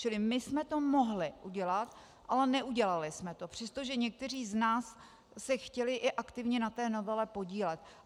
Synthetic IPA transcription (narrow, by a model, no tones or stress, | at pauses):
t͡ʃɪlɪmɪsmɛt̪o̞mo̞ɦlɪʔuɟɛlat̪ | ʔalɛnɛʔuɟɛlalɪsmɛt̪o̞pr̥ɛst̪oʒɛɲɛk̚t̪ɛriːznaːsː | ɛxcɛlɪʔɪʔakt̪ɪvɲɛnat̪ɛːno̞vɛlɛpo̞ɟiːlɛt̪